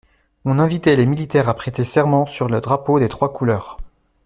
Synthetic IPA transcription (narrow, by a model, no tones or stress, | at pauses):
ɔ̃nɛ̃vit̪ɛlemilit̪ɛʁapχet̪esɛʁmɑ̃syʁləd̪ʁapod̪et̪χwakulœːʁ